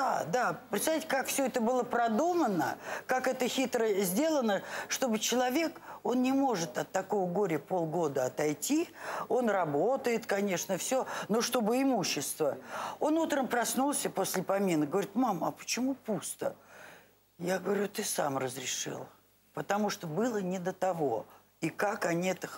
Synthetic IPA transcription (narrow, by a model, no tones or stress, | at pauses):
d̪ad̪apɾʲɪt̪sɐvʲitʲɪkakfsʲɵɛt̪əbɨlˠəpɾɐd̪umənəkakɛt̪əxʲit̪ɾəzʲdʲe̞lˠənəʂt̪o̞bɨt͡ɕɪlˠɐvʲe̞ko̞nnʲɪmo̞ʐɨt̪ɐt̪ːɐko̞vəɡo̞ɾʲɪpo̞lˠɡo̞d̪əɐt̪ɐjtʲio̞nrɐbo̞t̪əjɪt̪kɐnʲe̞ʂnəfsʲɵno̞ʂt̪o̞bɨɪmuɕːɪst̪vəo̞nut̪ɾəmpɾɐsnulˠsʲəpo̞sʲlʲɪpɐmʲinɨɡəvɐɾʲit̪mamɐpə̥t͡ɕɪmupust̪ə̰ | jaɡəvɐɾʲut̪ɨsa̰mrəzɾʲɪʂɨ̰lˠ | pət̪ɐmuʂt̪obɨlˠənʲɪd̪ət̪ɐvo̞ | ikakɐnʲiɛt̪əx